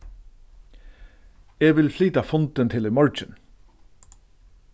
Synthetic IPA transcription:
ɛːʋɪlfliːt̪afʊnt̪ɪnt̪ʰɪlʏmɔɹt͡ʃɪn

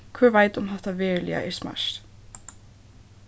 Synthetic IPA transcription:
kʰvœːɾvaːjt̪ʊmɦaht̪avɛːɾlḭa̰ʔɛɾsma̰s

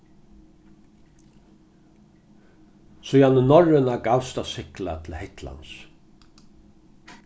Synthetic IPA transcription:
sʊjanənɔɹɪnakalst̪asɪhklat̪ʰɪlhɪht̪la̰ns

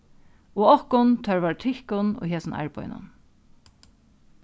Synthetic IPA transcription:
oːɔhkʊnt̪ʰœɹʋaɹt̪ʰɪhkʊno̰ːɦeːsənʔa̰ɪɹpɔ̰ʏnʊ̰n

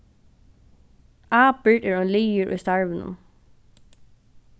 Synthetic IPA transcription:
aːpɪɹɛːɹɔnliːɪɹʔʊ̰jst̪aɹʋɪnʊ̰m

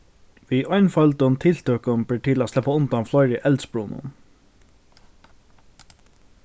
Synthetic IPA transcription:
ʋiʔɔʏnfœlt̪ʊnt̪ʰɪlt̪ʰøːkʊmpɪʈʰɪlaslɛpːaʊnt̪amflɔjɾəʔɛlt̪sbɾuːnʊ̰n

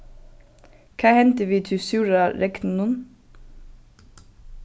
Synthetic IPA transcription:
kʰɑːhɛnt̪əʋiːt̪ʰɪsʉːɹɑɾɛknnʊn

